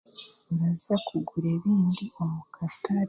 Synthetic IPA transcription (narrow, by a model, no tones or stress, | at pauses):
βazakʰuɡuɾe̞ːβiːndio̞mukʰataɾ